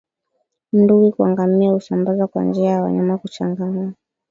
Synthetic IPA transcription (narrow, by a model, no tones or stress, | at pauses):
m̩nduwikuaŋɡamiausambazakwa̰nd͡ʒiajawa̰ɲamakut͡ʃaŋɡana